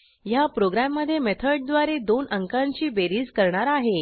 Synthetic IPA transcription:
japɾoɡɾamːəd̪ʱːjemet̪ʰəɾɖ̚d̪ʋaɾed̪onʔəŋkãɲt͡ɕiːbeɾiːd͡zkəɾɳaɾaɦe

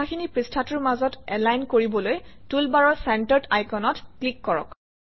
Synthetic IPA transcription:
axʰinipɹistʰatʊɹmazɔtɛlajnkoɹibɔlojtulbaɹɔɹsɛntəɹdajkɔnɔtklikːɔɹɔ̰k

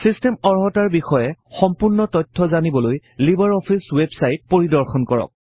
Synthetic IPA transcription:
sistemɔɹɦɔtaɹbixɔjɛxɔmpuɹnɔtɔtʰːɔzanibɔlojlibaɹɔpʰiswebsajt̚poɹidɔɹxɔnkɔɹɔ̰k̚

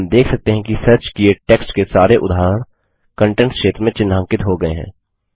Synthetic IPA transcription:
md̪eːkʰsɐk̚t̪eɦɛ̃kisɐɾt͡ʃkieʈeːksʈkesaːɾeʔʊd̪ʱaːɾəɽ̃ | kə̃ɳʈẽɳʈkʃeːt̪ɾəmẽt͡ʃɪnːãːŋkɪt̪ɦoɡɐeɦɛ̰̃ː

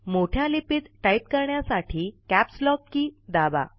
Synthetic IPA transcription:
moʈʰjalipit̪ʈaip̚kəɾɳjasaʈʰiːkæpslɔk̚kiːd̪aba̰

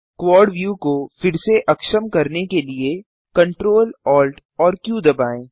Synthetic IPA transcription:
kwɔːɾɖʋjuːkofɪɾseʔɐkʃəmkɐɾnekelie | kɐ̃ɳʈɾoːlɔːlʈ | ɔːɾkjũːd̪ɐbaːẽː

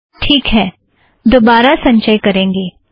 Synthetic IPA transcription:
ʈʰiːkɦɛː | d̪oːbaːɾasɐ̃ɲt͡ʃəjkɐɾẽːŋɡeː

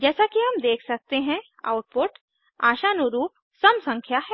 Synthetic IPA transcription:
d͡ʒɛːsakiɦɐmd̪eːkʰsɐk̚t̪eɦɛ̃ | a̰ːʊʈ̚poːʈ | aːʃanʊɾuːp̚ | sɐmsɐ̃ŋkʰjaɦɛː

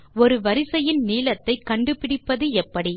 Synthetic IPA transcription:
ɔɾɯʋɐɾɪsɐjɪnniːlɐt̪ːɐɪkːɐɳɖɯpɪɽɪpːɐðɯɛpːɐɽi

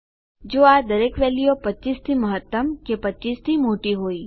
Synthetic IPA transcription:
d͡ʒoːad̪əɾekʋɛlijopət͡ʃist̪ʰiməɦət̪ːəmkepətːt͡ʃist̪ʰimoʈiɦoi

